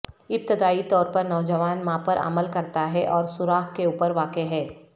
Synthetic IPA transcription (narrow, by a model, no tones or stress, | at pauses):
ɪp̚t̪ɪd̪aːit̪ɔːɾpɐɾnɔːd͡ʒəʋaːnmãpɐɾʔə̰məlkɐɾt̪aɦɛʔɔːɾsʊɾaːɦkeuːpəɾʋaːkeɦɛː